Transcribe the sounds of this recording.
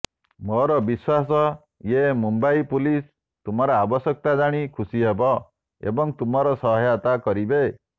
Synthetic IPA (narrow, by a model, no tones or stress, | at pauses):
mɔɾɔbiswas̬ɔ | jemumbaipulis | t̪umɔɾɔabɔsjɔk̚t̪ad͡ʒaɽ̃ikʰusiɦebɔ | ḛbɔŋt̪umɔɾɔsɔɦɔjat̪akɔɾibe